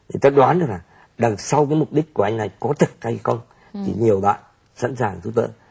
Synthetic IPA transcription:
t̪ʰi˨˩t̪ɔː˦ɗwaː˨˦nɗk̚laː˨˩ | ɗa˨˩ŋsa˧wkaː˨˦jmʊ˨˩k͡p̚ɗi˦˥k̟̚ku˧˩əʔa˧jŋ̟na˨˩jkɔ˨˦t̪ʰɨ˨˩k̚ha˧jxə˧wŋ͡m | t̪ʰḭ˨˩ɲi˨˩əwɓa̰ː˧˨n | sa̰˧˥nsaː˨˩ŋt̪ʰu˨˦t̪ə̰ː˧˨

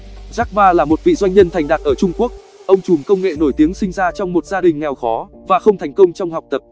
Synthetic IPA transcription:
zaː˦˥k̚vaː˧laː˨˩mo˨˩t̚vḭ˧˨zwa˧jŋ̟ɲə˧nt̪ʰa˨˩jŋ̟ɗaː˨˩t̚ʔəː˧˩t͡ɕʊ˧ŋ͡mku˦˥ək̚ | ʔə˧wŋ͡mt͡ɕu˨˩mkə˧wŋ͡mŋḛ˧˨no˧˩jt̪i˨˦əŋsï˧ŋzaː˧t͡ɕɔ˧wŋ͡mmo˨˩t̚zaː˧ɗï˨˩ŋ̟ŋɛ˨˩wxɔ˨˦ | vaː˨˩xə˧wŋ͡mt̪ʰɛ˨˩jŋ̟kə˧wŋ͡mt͡ɕɔ˧wŋ͡mha˨˩wk͡p̚t̪ə˨˩p̚

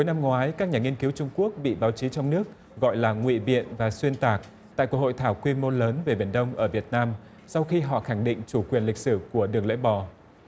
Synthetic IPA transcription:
ku˨˦jna˧mŋwaː˨˦jkaː˦˥k̚ɲaː˨˩ŋi˧ənki˨˦wt͡ɕʊ˧ŋ͡mku˦˥ək̚ɓḭ˧˨ɓaː˨˦wt͡ɕi˨˦t͡ɕɔ˧wŋ͡mnɨ˦˥ək̚ | ɣɔ̰˧˨jlaː˨˩ŋwḭ˧˨ɓḭ˧˨ənvaː˨˩swi˧ənt̪aː˨˩k̚ | t̪a̰ː˧˨jku˧˩ho̰˧˨jt̪ʰaː˧˩wkwi˧mo˧ləː˨˦nve˨˩ɓi˨˩ənɗə˧wŋ͡mʔəː˧˩vi˨˩ət̚naː˧m | sa˧wxi˧ɦɔ̰˧˨xa˧˩ŋɗḭ˧˨ŋ̟t͡ɕu˧˩kwi˨˩ənlï˨˩k̟̚sɨ˧˩ku˧˩əɗɨ˨˩əŋlɛ̰˧˥ɓɔ˨˩

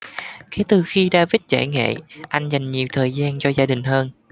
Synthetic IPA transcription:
kɛ˨˦t̪ɨ˨˩xi˧ɗaː˧vi˦˥t̚t͡ɕa̰ː˧˩jŋḛ˧˨ʔa˧jŋ̟za˨˩jŋ̟ɲi˨˩əwt̪ʰəː˨˩jzaː˧nt͡ɕɔ˧zaː˧ɗï˨˩ŋ̟həː˧n

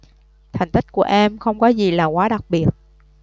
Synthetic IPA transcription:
t̪ʰa˨˩jŋ̟t̪ï˦˥k̟̚ku˧˩əʔɛ˧mxə˧wŋ͡mkɔ˨˦zi˨˩laː˨˩kwaː˨˦ɗa˨˩k̚ɓi˨˩ət̚

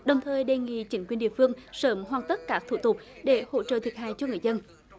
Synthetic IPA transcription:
ɗə˨˩wŋ͡mt̪ʰəː˨˩jɗe˨˩ŋḭ˧˨t͡ɕï˨˦nŋkwi˨˩ənɗḭ˧˨əfɨ˧əŋsəː˨˦mɦwaː˨˧˩ŋt̪ə˦˥k̚kaː˦˥k̚t̪ʰu˧˩t̪ʊ˨˩k͡p̚ɗe˧˩ho̰˧˥t͡ɕə̰˧˨t̪ʰi˨˩ət̚ha̰ː˧˨jt͡ɕɔ˧ŋɨ˨˩əjzə˧n

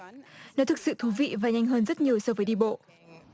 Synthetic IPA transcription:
nɔ˨˦t̪ʰɨ˨˩k̚sɨ̰˧˨t̪ʰu˨˦vḭ˧˨vaː˨˩ɲa˧jŋ̟ɦəː˧nzə˦˥t̚ɲi˨˩əwsɔ˧vəː˨˦jɗi˧ɓo̰˧˨

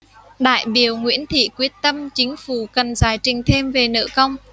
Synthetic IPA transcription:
ɗa̰ː˧˨jɓi˨˧˩əwŋwḭ˧˥ənt̪ʰḭ˧˨kwi˦˥ət̚t̪ə˧mt͡ɕï˨˦ŋ̟fu˧˩kə˨˩nzaː˨˩jt͡ɕï˨˩ŋ̟t̪ʰe˧mve˨˩nə̰˧˨kə˧wŋ͡m

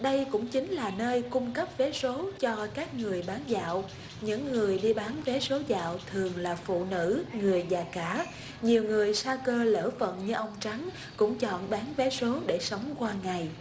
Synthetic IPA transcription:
ɗə˧jkʊ̰˧˥ŋ͡mt͡ɕï˨˦ŋ̟laː˨˩nəː˧jkʊ˧ŋ͡mkə˦˥p̚vɛ˨˦so˨˦t͡ɕɔ˧kaː˦˥k̚ŋɨ˨˩əjɓaː˨˦nza̰ː˧˨w | ɲɨ̰˧˥ŋːɨ˨˩əjɗi˧ɓaː˨˦nvɛ˨˦so˨˦za̰ː˧˨wt̪ʰɨ˨˩əŋlaː˨˩fṵ˧˨nɨ̰˧˥ŋɨ˨˩əjzaː˨˩kaː˧˩˥ | ɲi˨˩əwŋɨ˨˩əjsaː˧kəː˧lə̰ː˧˥fə̰˧˨nɲɨ˧ʔə˧wŋ͡mt͡ɕa˨˦ŋ | kʊ̰˧˥ŋ͡mt͡ɕɔ̰˧˨nɓaː˨˦nvɛ˨˦so˨˦ɗe˧˩sə˨˦wŋ͡mkwaː˧ŋa˨˩j

